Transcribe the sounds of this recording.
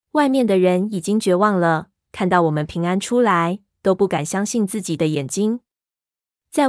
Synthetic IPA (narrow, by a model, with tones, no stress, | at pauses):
wa˥˧ɪmjɛ˥˩nd̪ə˩ɻə˧˦˥ni˨˩t͡ɕi˥ŋt͡ɕɥɛ˧˥wɑ˥˩ŋlə˨ | kʰa˥˧nt̪ɑ˥˩ʊwɔ˨˩mə˦npʰi˧˥ŋa˥nʈ͡ʂʰu˥la˧˦ɪ | t̪o˥ʊpu˥˩ka˨˩nɕjɑ˥ŋɕi˥˧nt͡sɹ̩˥˩t͡ɕi˨˩d̪ə˦jɛ˨˩nt͡ɕi˥ŋ | t͡sa˥˧ɪ